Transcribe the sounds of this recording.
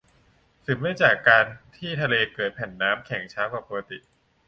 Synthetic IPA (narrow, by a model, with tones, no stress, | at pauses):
sʰɯ˩˦maː˥˩t͡ɕaː˨˩kːaː˧nt̪ʰiː˥˩t̪ʰa˧leː˧kɤː˨˩t̪̚pʰɛ˨˩nːaː˦˥mkʰɛ˨˩˦ŋt͡ɕʰaː˦˥wkaː˨˩pːo˧ka˧t̪ḭ˨˩ʔ